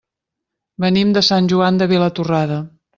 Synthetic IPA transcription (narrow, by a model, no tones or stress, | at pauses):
bənimd̪əsanʲʒuand̪əβelət̪uraðə